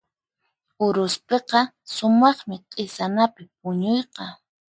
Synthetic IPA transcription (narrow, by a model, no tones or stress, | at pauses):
ʊɾʊspeqɑ | sʊmɑχmɪqʼesanapɪp̚ʊɲojqɑ